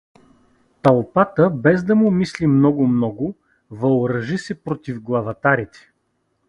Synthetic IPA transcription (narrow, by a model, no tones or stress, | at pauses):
t̪ɐlˠpat̪əbɛzd̪ɐmʊmislimnɔɡʊmnɔɡʊ | vɐlˠɾɐʒisɛpɾot̪ivɡlˠɐvɐt̪aɾit̪ɛ̥